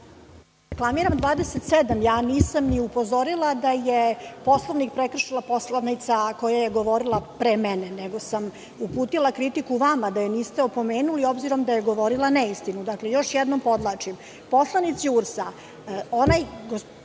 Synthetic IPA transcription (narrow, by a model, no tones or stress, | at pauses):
ɾeklˠamiɾamd̪vʋaːd̪eset̪sɛd̪amjaːniːsamniupo̞zo̞ɾilˠad̪ajepo̞slˠoʋnik̚pɾekr̩ʃilˠapo̞slˠanit̪sako̞jajeɡo̞ʋo̞ɾilˠapɾemɛneneɡo̞sam | upuːt̪ilˠakɾit̪ikuʋamad̪ajeniːst̪eo̞po̞meːnulio̞bziɾo̞md̪ajeɡo̞ʋo̞ɾilˠanɛist̪inud̪aklejo̞ʃjɛd̪nompo̞d̪lˠat͡ʂim | po̞slˠanit̪siuɾsa | onajɡo